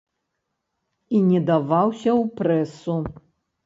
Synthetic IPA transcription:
inʲɛd̪avawsʲɐwpɾɛsu

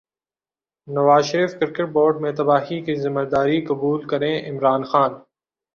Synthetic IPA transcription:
nɐʋaːzʃəɾiːfkɪɾkəʈ̚boːɾɖmẽt̪ɐbaːɦikizɪməɾd̪aːɾikɐbuːlkɐɾẽʔɪmɾaːnxaːn

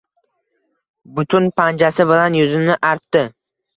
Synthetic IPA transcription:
bʊt̪ʰʊnpʰand͡ʒasɪbɪlanjʊzɪmnɪʔaɾt̪ːɪ

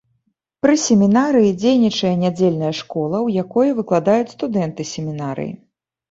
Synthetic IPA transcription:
pɾɨsʲemʲinaɾɨjid͡zʲejnʲit͡ʂɐjɛnʲad͡zʲelʲnɐjɐʂkɔlˠɐwjakɔjɐvɨklˠad̪ajut͡sʲst̪ud̪ɛnt̪ɨsʲemʲinaɾɨ̰jḭ

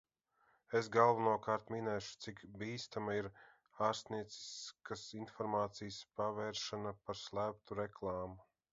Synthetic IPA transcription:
es̬ɡalˠvanuɔkaːɾt̪minɛːʃu̥t̪sikbiːst̪amaiɾ | aːɾst̪niɛt̪si̥skasinfɔɾmaːt̪sijspavɛːɾʃanapaɾslˠæːp̚t̪uɾɛklˠɑːmu

